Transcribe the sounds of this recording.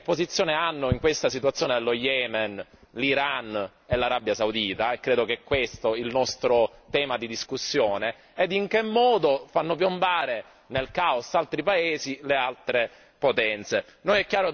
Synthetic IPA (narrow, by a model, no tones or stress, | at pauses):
pːozit̪sːjoːneanːoiŋkwest̪asit̪wat̪sːjoːned̪elːojɛːmenliɾan | elːaɾabjasawd̪iːt̪aekːɾeːd̪okeɛkːwest̪oilnɔst̪ɾot̪ɛːmad̪id̪iskusːjoːneː | d̪iŋkemːɔːd̪ofanːopjombaːɾe | nelkaosalt̪ɾipaeːzilealt̪ɾe | pot̪ɛnt̪senojɛkːjaːɾo